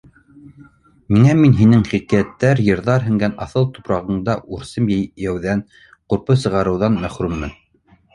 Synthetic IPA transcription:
miŋæminɦinɘŋχikiæt̪ːæɾjɤ̆ɾðɑɾɦɘ̆ŋɡænɑθɤlˠt̪u̥pɾɑʁɤ̆ɴd̪ɑʔuɾsɤmjæjæwðæn | quɾpɤsɤ̆ʁɑɾɤ̆wðɑnmæχɾʉmːɘn

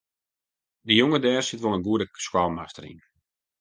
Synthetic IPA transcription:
dəjoŋədɛːrsɪtʋolˠənɡuədəskwalˠmastərḭn

